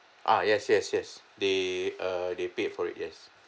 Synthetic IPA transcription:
ʔa̰jɛsjɛsjɛs | deadepet̚fɔɹḭt̚jɛs

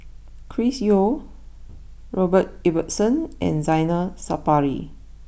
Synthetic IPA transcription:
kʰɹisjo | ɹɔbət̚ibətsə̃nɛ̰̃nzãjnəsapaɹḭ

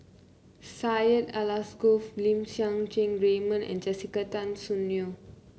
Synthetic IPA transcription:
sajətalasɡoflĩmsjãŋd͡ʒẽŋɹemə̃nɛ̰̃nd͡ʒɛsikatãnsunjo

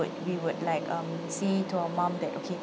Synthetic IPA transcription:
ʊd̚wiwʊd̚laɪkʰʌ̃m | setuaəmãmd̪ɛtokʰe

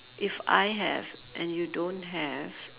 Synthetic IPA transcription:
ʔɪfa̰ɪɦɛ̰vʔɛ̃njudõntɦɛv̥

